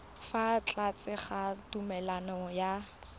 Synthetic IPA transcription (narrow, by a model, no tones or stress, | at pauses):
fat͡ɬat͡sɪχatumɛlanɔja